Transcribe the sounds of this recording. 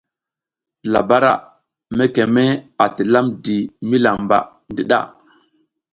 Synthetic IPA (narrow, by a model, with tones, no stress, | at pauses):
la˨ba˦ɾa̰˦˨ | me˦ke˨me˦a˨ti˨la˦mdi˨mi˦la˨mba̰˨ | ndi˦ɗa̰˦˨